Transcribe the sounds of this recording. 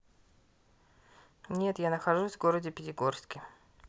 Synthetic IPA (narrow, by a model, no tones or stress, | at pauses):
nʲe̞t̪janəxɐʐusʲvɡo̞ɾədʲɪpʲɪtʲɪɡo̞rskʲɪ